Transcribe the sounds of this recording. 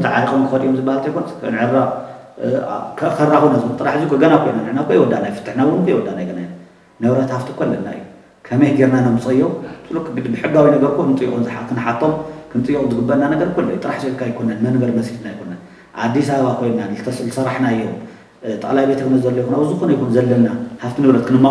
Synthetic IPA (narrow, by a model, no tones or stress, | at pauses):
t̪ʰɨʕa̰ɾikʼomkʰɨfɐt̪ijomzɨbːahalt̪ʰɐjkʰonɐskʰɐ̰nʕɨɾːa̰ | kʰɐʔkɐɾːakonɐzut̪ʼɨɾaħzikʰɨɡɐnakʰo̞jnanɨħnakʰojwɔd̪ːanajfɨ̥t̪ʰːɨħnawʊnkʰɐjwɔd̪ːanajɡɐnaj | nɐβɾɐt̪haft̪ʰɨkʰɐlːɐnːaɨ̰jːu | kʰɐmɐjɡeɾnanomɨt͡sʼɐjːosʰɨlukʰɨɡɨd̪bɨħɨɡːawinɐɡɐɾkʰonɨt͡s̪ʼɨjːṵʔʼunzɨħakʰɨnħat̪ʰːomkʰɨnt̪ʼɨjːukʼunzɨɡɨbːɐɾnanɐɡɐɾkʰolːojut̪ɨɾaħsed̪kʰːajkʰo̞nɐnmɐnbɐɾmɐsit̪najkʰo̞nɐn | ʔa̰d̪ːisaβaβakʰo̞jnnanzɨt̪ʰɐslsɐɾaħnaɨjːom | t̪ʼɐ̰kʼlajbet̪ʰɐɡnɐszɐlːɐjkʰunabɨzuxonɐjkʰunzɐlːɐnnːahaft̪ʰinɨβɾɐt̪kʰɨnɨmːa